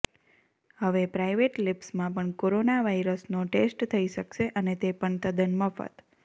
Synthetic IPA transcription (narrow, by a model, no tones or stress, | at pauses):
həʋepɾajʋeʈlɪpsmãpəɳkoɾonaʋaiɾəsnoʈesʈt̪ʰəiʃəkʃeʔənet̪epəɳt̪əd̪ənməfə̰t̪